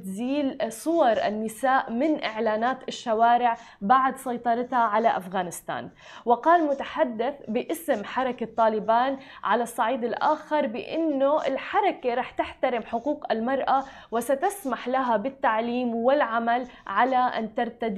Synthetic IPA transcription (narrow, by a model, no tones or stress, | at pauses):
t̪ziːlsˤʊwɑɾˤʔɪ̰nːɪsaːʔmɪnʔɪʕlaːnaːt̪ɪʃːawaːɾɪʕ | baʕd̪sˤɑjt̪ˤɑɾˤɪt̪haʕalaʔafɣaːnɪst̪a̰ːn | wɪqɑːlmʊt̪aħad̪ːɪθbɪʔɪsmħɑɾˤɑkat̪ˤːɑːlɪbaːnʕalasˤːɑʕiːd̪ɪlʔa̰ːxɪɾˤbɪʔɪ̰nːoʔɪlħɑɾˤɑkaɾˤɑːħt̪ɪħt̪aɾɪmħʊquːqɪlmɑɾˤʔa | wɪsat̪asmaħlaɦabɪt̪ːaʕliːmwɪlʕamalʕalaʔa̰nt̪ɑɾˤt̪ad̪